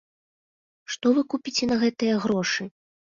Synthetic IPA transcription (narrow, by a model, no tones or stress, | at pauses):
ʂt̪ɔvɨkupʲit͡sʲɛnɐɣɛt̪ɨjɐɣɾɔʂɨ